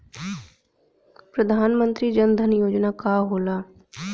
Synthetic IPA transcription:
pɾəd̪ʱaːnmə̃nt̪ɾid͡ʒənd̪ʱənjoːd͡ʒnakaːɦoːlaː

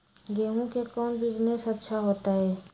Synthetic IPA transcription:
ɡɛːɦũkekɔːnbɪd͡ʒnesɐtːʃʰaɦoːt̪aɦɛː

